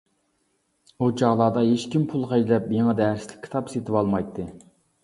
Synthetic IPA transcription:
ut͡ʃʰɑʁlˠɑːd̪ɑɦeʃkʲimpʰulˠqæd͡ʒlɛpjeŋɛd̪ɛɾslɪ̥kʲʰːi̥t̪ʰɑpset̪ʰɪbɑlˠmɑjt̪ʰːɨ

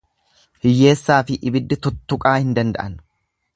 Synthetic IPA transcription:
hɪjːe̞ːsːaːfɪʔɪbɪd̪ːɪt̪ʊt̪ːʊkʼaːhɪnd̪ɐnd̪ɐ̰ʔɐn

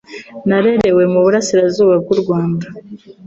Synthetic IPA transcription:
naɾeɾe̞we̞muβuɾasiɾazuːβaɡɡuɾɡwaːmba

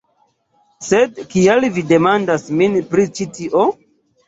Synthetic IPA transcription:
sedkielvide̞mandasminpɾit͡ʃitiʔo

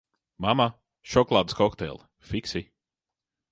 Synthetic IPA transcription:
mama | ʃɔklˠaːd̪skɔkt̪ɛ̰lˠ | fiksi

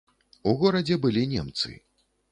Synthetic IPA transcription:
uɣɔɾɐd͡zʲɛbɨlʲinʲɛmt̪sɨ̰

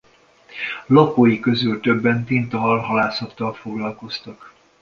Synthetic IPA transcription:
lɒpoːjikø̞zylt̪øbːɛnt̪int̪ɒɦɒlɦɒlaːsɒt̪ːɒlfo̞ɡlɒlko̞st̪ɒk

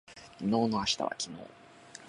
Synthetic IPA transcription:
kʲino̞ːnoaɕi̥t̪a̰βa̰kʲʰino̰ː

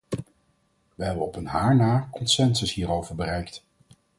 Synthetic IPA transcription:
ʋəɦɛbənɔpənɦaːɹnaːkɔnsɛnsəsɦiːrowvəɹbərɛjkt

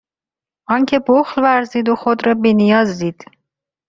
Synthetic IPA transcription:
ʔɒːŋcʰe̞boxlvæɾziːd̪oxod̪ɾɒːbinijɒːzd̪iːd̪̥

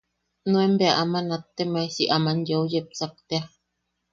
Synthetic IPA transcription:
nũembeaʔamanat̪ːemajsiʔamanjoujep̚sak̚t̪ea

